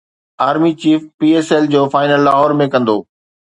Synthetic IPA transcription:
aːɾmit͡ɕiːfpiːeːsɛld͡ʑoːfaːɪnəlːaːɦɔːɾmẽkɐ̃nd̪oː

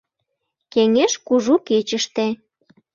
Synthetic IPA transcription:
keŋeʃkuʒuket͡ɕəʃt̪e

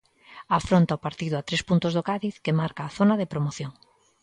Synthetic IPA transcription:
afɾont̪aopaɾt̪iðʊat̪ɾespunt̪ozðokaðiθkemaɾkaːθonaðepɾomoθjoŋ

